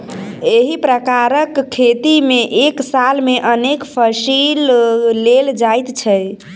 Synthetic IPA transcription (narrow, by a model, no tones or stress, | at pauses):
eɦipɾəkaɾəkʰːet̪imeʔeksalmeʔənekpʰəsilːeld͡ʒajt̪t͡ʃʰɛ